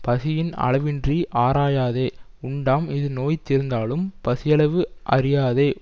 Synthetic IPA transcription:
pɐsɪjɪnɐ̰ɭɐʋɪndriʔaːɾaːjaːðeː | ʊɳɖaːmɪðɯnoːjɪt̪ːɪɾɯnd̪aːlɯmpɐsɪjɐɭɐʋɯʔɐ̰ɾɪjaːðeː

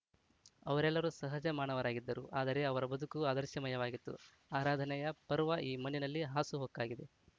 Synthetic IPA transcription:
ɐʋɐɾɛlːɐɾusɐɦɐd͡ʒɐmaːɳɐʋɐɾaːɡid̪ːɐɾuʔaːd̪ɐɾe̞ɐʋɐɾɐbɐd̪ʱukuaːd̪ɐɾʃjɐmɐjɐʋaːɡit̪ːṵ | aːɾaːd̪ʱɐnɛjɐpɐɾʋaʔiːmɐninɐlːiɦaːsuɦoːkːaːɡid̪e̞

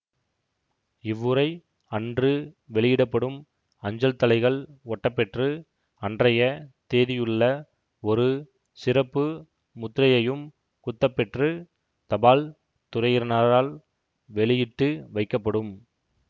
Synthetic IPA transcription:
ɪʋːɯɾɐɪ | ɐndrɯʋɛɭɪjɪɽɐpːɐɽɯm | ɐɲd͡ʒɐlt̪ɐlɐɪɣɐɭɔʈːɐpːɛʈrɯ | ɐndrɐjɐt̪eːðɪjɯɭːɐ | ɔɾɯ | sɪrɐpːɯ | mʊt̪ːɾɐjɐjɯm | kʊt̪ːɐpːɛʈrɯ | t̪ɐbaːl | t̪ʊrɐjɪɾnaːɾaːl | ʋɛɭɪjɪʈːɯʋɐɪkːɐpːɐɽɯm

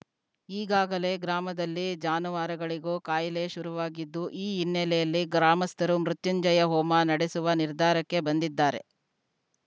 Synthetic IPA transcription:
iːɡaːɡɐle̞ɡɾaːmɐd̪ɐlːid͡ʒaːnuʋaːɾɐɡɐɭiɡoːkaːjleʃuɾuʋaːɡid̪ːuʔiːinːɛlɛjɐlːiɡɾaːmɐst̪ʰɐɾumɾut̪juɲd͡ʒɐjɐɦɔːmɐnɐɽesuʋɐniɾd̪ʱaːɾɐkːe̞bɐnd̪id̪ːaːɾe̞̰

